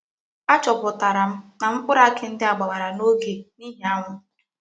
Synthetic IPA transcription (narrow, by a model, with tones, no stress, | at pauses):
a˦t͡ʃɔ˨pʊ˨ta˨ɾa˨m̩˦na˨m̩˦k͡pʊ˦ɾa˦kɪ˦n̩˦dɪ˦a˨ɡ͡ba˨wa˨ɾa˨no˦ɡe˨ni˦ɦe˦a˦ŋʷʊ˦